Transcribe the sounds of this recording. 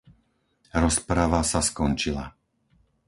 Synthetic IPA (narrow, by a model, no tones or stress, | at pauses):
ɾɔspɾaʋasaskɔnt͡ʃila̰